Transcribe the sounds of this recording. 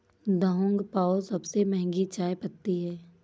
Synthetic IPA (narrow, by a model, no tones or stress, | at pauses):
d̪əɦʊ̃ŋɡpaːosɐbsemɛɦɛ̃ŋɡit͡ʃaːepət̪ːiɦɛː